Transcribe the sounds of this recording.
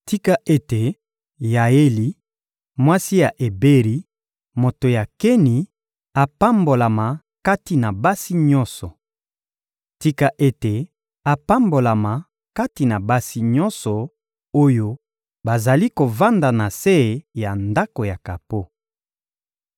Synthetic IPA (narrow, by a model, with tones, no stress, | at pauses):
ti˦ka˦ʔe˦te˨ | ja˨je˦li˨ | mwa˦si˦ja˨ʔe˨be˦ʁi˦ | mo˨to˨ja˨ke˦ni˨ | a˨pa˦mbo˨la˨ma˨ | ka˦ti˨na˨ba˦si˦ɲɔ̃˦nsɔ˨ | ti˦ka˦ʔe˦te˨ | a˨pa˦mbo˨la˨ma˨ | ka˦ti˨na˨ba˦si˦ɲɔ̃˦nsɔ˨ | o˦jo˦ | ba˨za˨li˦ko˨va˦nda˨na˨se˦˨ja˨nda˦ko˨ja˨ka˨po˦